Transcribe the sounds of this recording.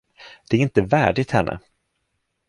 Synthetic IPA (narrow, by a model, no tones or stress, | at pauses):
d̪̥ɛæɾɪnt̪əvæːɖɪt̪hɛnːʔə̰